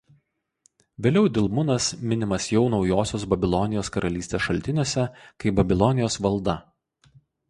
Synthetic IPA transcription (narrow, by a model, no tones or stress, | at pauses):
ʋʲeːlʲɛʊd̪ʲɪlˠmʊnɐsmʲɪnʲɪmɐsjɛʊnɒʊjoːsʲoːsbɐbʲɪlˠɔnʲɪjoːskɐɾʔɐlʲiːsʲt̪ʲeːsʃɐlʲt̪ʲɪnʲuɔsʲɛkɐɪbɐbʲɪlˠɔnʲɪjoːsʋɐlˠd̪ɐ